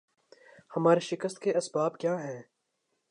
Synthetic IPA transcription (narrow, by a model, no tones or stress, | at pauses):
hɐmaːɾeʃɪkəst̪̚keɐsbaːbkjaːɦɛ̃ː